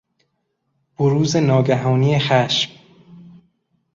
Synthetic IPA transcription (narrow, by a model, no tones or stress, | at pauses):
b̥oɾuːze̞nɒːɡæɦɒːnijexæʃm